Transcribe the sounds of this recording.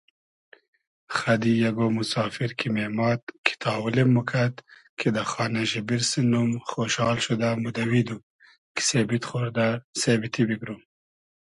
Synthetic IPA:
xɐd̪ijɐɡomusɑːfiɾkʰimemɑːt̪kʰi̥t̪ʰɑːwulemːukʰat̪kʰed̪axɑːneʒɪbiɾsinumxoʃɑːlʃud̪amud̪ɐwid̪u | ki̥sebit̪xoɾd̪asebit̪ʰibiɡɾum

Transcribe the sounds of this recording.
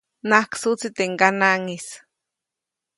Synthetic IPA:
nahksut͡sit̪eŋɡanaŋis

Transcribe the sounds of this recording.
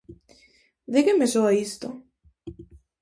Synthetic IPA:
d̪iɣemesoaist̪o

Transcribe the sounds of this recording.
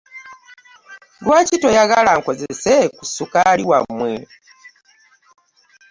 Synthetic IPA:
lwaːcito̞jaɣalaŋko̞zesekusukaliwamːwe

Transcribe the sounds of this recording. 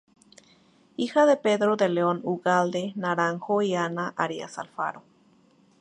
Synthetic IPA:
ixaðepeðɾod̪eleonuɣald̪enaɾaŋxoianaʔaɾia̰sa̰lfa̰ɾo

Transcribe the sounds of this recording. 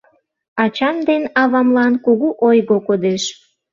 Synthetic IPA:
ɑt͡ɕɑmd̪enɑβɑmlɑnkuɣuʔojɣokod̪eʃ

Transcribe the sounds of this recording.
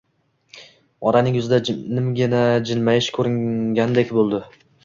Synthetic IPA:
ɒɾanɪŋjʊzɪd̪anɪmɡʲɪnad͡ʒɪnmajɪʃkʰɵɾɪŋɡʲanɪd̪ekʲbolˠd̪ɪ

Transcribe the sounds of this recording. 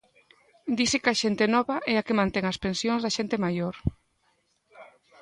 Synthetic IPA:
d̪isekaʃent̪enɔβaʔɛakemãnt̪ɛŋaspensjõnzðɐaʃent̪emajoɾ

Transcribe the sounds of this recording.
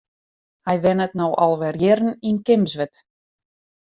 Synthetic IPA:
hɛjʋɛnətnowʔɑlˠʋɛrjɪɾn̩inkɪmzʋɛt

